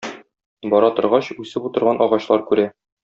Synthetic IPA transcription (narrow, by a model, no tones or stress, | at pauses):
bɒɾɑt̪ŏɾʁɑɕʉsɘput̪ɤ̆ɾʁɑnʔɒʁɑɕlˠɑɾkʉɾæ